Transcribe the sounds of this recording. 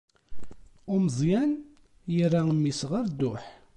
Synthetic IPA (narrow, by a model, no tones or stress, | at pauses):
ʊməzˤjæn | jərːamːisʁəɾd̪ʊħ